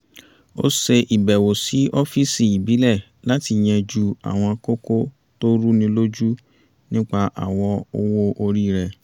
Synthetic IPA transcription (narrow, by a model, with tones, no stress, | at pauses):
o̰˦se˧ʔi˨bɛ˨wo˨si˨˦ʔo˦fi˦si˨i˨bi˨˦lɛ˦˨ | la˨˦ti˧˨j̃ɛ̃˧d͡ʒu˦a̰˨w̃ɔ̃˧ko˦ko˦ | to˦ɾu˦nĩ˧lo˦d͡ʒu˦ | nĩ˦k͡pa˧ʔa̰˨wɔ˧o˧wo˦ʔo˧ɾi˦˨ɾɛ˧